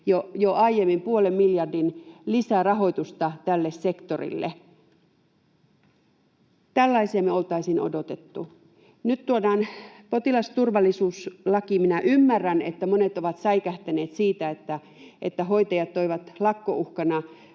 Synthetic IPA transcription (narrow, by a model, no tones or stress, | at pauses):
jojoɑijemːimpuolemmiljɑrdinlisærɑɦo̞it̪ust̪ɑt̪ælːessekt̪orḭlːḛ | t̪ælːɑisiɑmeolt̪ɑisino̰dot̪et̪ːu | nyt̪t̪uodɑːnpot̪ilɑst̪urʋɑlːisuːslɑkiminæʔymːærːænet̪ːæmonet̪oʋɑt̪sɑikæht̪æneːt̪siːt̪æet̪ːæ | et̪ːæɦoit̪ɑjɑt̪toiʋɑt̪lɑkːoʔuhkɑnɑ